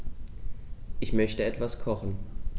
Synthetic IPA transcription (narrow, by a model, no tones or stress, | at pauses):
ʔɪçmœçtəɛtv̥askʰɔχn̩